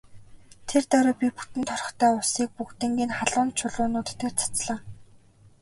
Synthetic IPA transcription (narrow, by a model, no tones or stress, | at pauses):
t̪ʰert̪œɾʊ̆ːpʲiput̪ɘ̆nt̪ʰɔrɞ̆χt̪ʰœːʊsiːk̚pukt̪ɘ̆ŋɡʲiːnχaɮʊːnt͡ɕʰʊɮʊːnʊːt̪ʰt̪ĕt͡sʰḁt͡sɮaː